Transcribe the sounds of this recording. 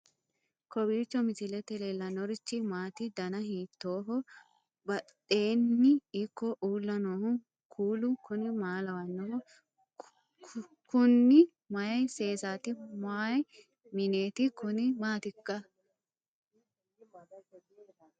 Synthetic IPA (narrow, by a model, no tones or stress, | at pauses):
kɔbiːt͡ʃːɔmɪsɪlɛt̪ɛlelɐnɔɾɪt͡ʃːɪmaːt̪ɪd̪ɐnɐhiːt̪ːoːɦɔ | bɐ | e̞ːnːɪɪkːɔʔuːlːɐnoːhʊ | kʰuːlʊkʰʊnɪmaːlɐwɐnːɔhɔ | kʰʊnːɪ | mɐjɐjseːsaːt̪ɪmaːj | mɪneːt̪ɪkʊnɪmaːt̪ɪkːɐ